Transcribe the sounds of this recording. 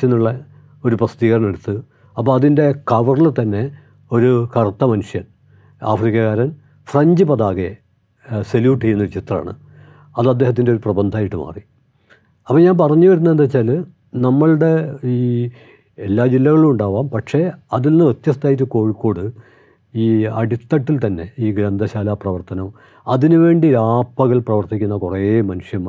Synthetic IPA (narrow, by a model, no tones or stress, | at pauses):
enːuɭːɐ | o̞ɾuprɐst̪iːɣɐɾɐɳe̞ɽut̪ːɨ | ɐpːoːɐðinde̞kɐʋɐrlɨt̪ɐnːe̞ | o̞ɾukɐrt̪ːɐmɐnuʂjɐn | a̰ːfrikʲːɐɣaːɾɐn | frɐɲd͡ʑɨpɐðaːɣe̞ | seljuːʈːijenːɐoɾut͡ɕit̪ra̰ːɳɨ̰ | ɐðɐd̪ːe̞ːɦɐt̪̬ːindeo̞ɾuprɐbɐnd̪ʱaːjiʈːɨma̰ːri | ɐpːoːɲaːnpɐrɐɲːuʋɐɾunːɐent̪ɐt͡ɕːaːl | nɐmːɐɭɨɽe̞iː | elːaːd͡ʑilːɐɣɐɭumuɳɖaːʋaːmpɐʈʂe̞ɐðilnːɨʋet̪jɐst̪aːjitːɨko̞ːɻikːo̞ːɽɨ | iːɐɽit̪ːɐʈːilt̪ɐnːe̞iːɡɾɐnd̪ʱɐɕaːlaprɐʋɐrt̪ɐnɐm | ɐðinɨʋe̞ːɳɖiɾaːpːɐɣɐɭprɐʋɐrt̪ikʲːunːɐkureːmɐnuʂjɐm